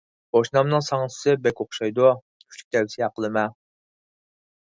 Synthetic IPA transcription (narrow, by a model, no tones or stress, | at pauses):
b̥oʃnɑmnɨŋsɑŋsʰɪ̥sɨbɛkʲoχʃɑjd̪u | y̥t͡ʃʲlʰʲy̥k̚ʲd̪ɛwɪsɪɑqəlˠɨmɛ